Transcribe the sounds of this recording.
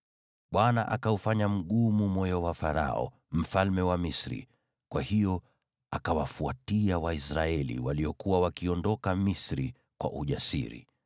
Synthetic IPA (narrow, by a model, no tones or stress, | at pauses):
ɓwanaʔakaufaɲam̩ɠumumwɔjɔwafaɾa̰ɔ̰ | m̩falmɛwamisɾḭ | kwahijɔ | akawafuatiawaisɾaɛlḭwaliɔkuwawakiɔndɔkamisɾi | kwa̰ʔuʄasḭɾḭ